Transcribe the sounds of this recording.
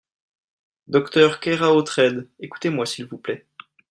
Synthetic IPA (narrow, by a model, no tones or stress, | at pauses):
d̪ɔkt̪œʁkɛʁaot̪χɛd̪eku̥t̪emwasilvuplɛ